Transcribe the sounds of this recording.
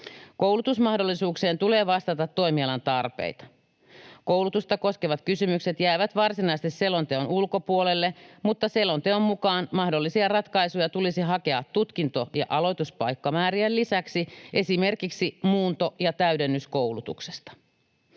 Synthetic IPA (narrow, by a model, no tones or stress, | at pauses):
ko̞wlut̪usmɑhdolːisuːkseːnt̪ule̞ːʋɑst̪ɑt̪ɑt̪ːoimiɑlɑnt̪ɑrpḛit̪ɑ̥ | kowlut̪ust̪ɑko̞skeʋɑt̪kysymykse̞t̪jæːʋæt̪ʋɑrsinɑist̪isselːo̞nt̪eonulko̞puolelːemut̪ːɑselːont̪eommukɑːnmɑhdolːisiɑrɑt̪kɑisujɑt̪ulisiɦɑke̞ɑt̪ːut̪kint̪o̞jɑ̰ʔɑlo̞jt̪uspɑjkːɑmæːɾiællisæksiʔe̞sime̞rkiksimuːnt̪ojɑt̪æydenːysko̞uwlut̪ṵksest̪ɑ̥